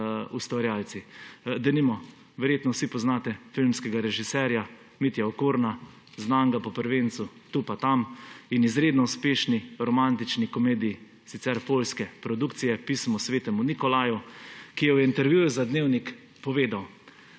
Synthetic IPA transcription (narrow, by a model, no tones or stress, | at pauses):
ust̪ʋaɾjaːlt̪sid̪ɛlimɔ | ʋɛɾjeːt̪nɔwsipɔznat̪ɛfilmskɛɡaɾɛʒisɛɾja | mit̪jaɔkuːɾna | znaŋɡapɔpəɾʋent̪sut̪upat̪aminizɾeːd̪nɔuspeːʃniɾɔmant̪it͡ʃnikɔmeːd̪iji | sit̪sɛɾpolskɛpɾɔd̪ukt̪sijɛpismɔsʋeːt̪ɛmunikɔlajukijɛwjɛint̪ɛɾʋjuːjuzad̪neːwnik | pɔʋeːd̪aw